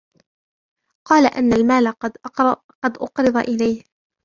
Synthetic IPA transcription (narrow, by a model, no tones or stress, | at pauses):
qɑːlaʔanːalmaːla | qɑd̪ʔʊqɾɨd̪ˤɑ̰ʔɪlajh